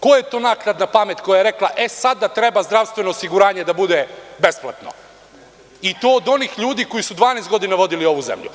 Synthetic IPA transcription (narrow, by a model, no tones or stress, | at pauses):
ko̞jet̪o̞ːnaːknad̪napame̞t̪ko̞jajeɾe̞klˠaʔe̞sad̪at̪ɾe̞bazd̪ɾaʋst̪ʋe̞noːsiɡuɾaːɲe̞d̪abud̪ebe̞splˠat̪no̰ | it̪oːd̪o̞niːxʎuːd̪iːko̞jisud̪ʋaːnest̪ɡo̞d̪inaʋo̞d̪ilio̞ʋuzḛmʎṵ